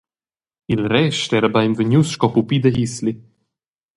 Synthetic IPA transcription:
ilɾɛʃt̪ɛɾbajmvəɲʲusʃkɔpupid̪əɦisli

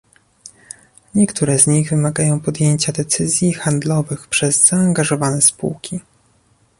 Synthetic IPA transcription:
ɲɛkt̪uɾɛzɲiɣvɘmaɡajɔ̃w̃pɔd̪jeɲt͡ɕad̪ɛt̪sɘzʲjixand̪lɔvɘxpʂɛzz̥aːŋɡaʐɔvanɛspṵwkʲʰi

